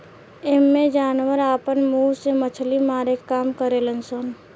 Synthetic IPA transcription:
emːẽd͡ʒaːnʋəɾaːpənmuːsemət͡ʃʰlimaːɾekːaːmkəɾelənsən

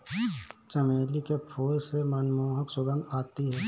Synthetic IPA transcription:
t͡ʃəmeːlikepʰoːlsemənmoːɦəksʊɡə̃nd̪aːt̪iɦɛː

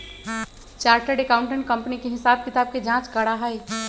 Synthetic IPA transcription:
t͡ʃaːɾʈəɾɖekaːʊ̃ɳʈə̃ɳʈ̚kɐ̃mpənikeɦɪsaːb̚kɪt̪aːb̚ked͡ʒãːt͡ʃkɐɽaɦai

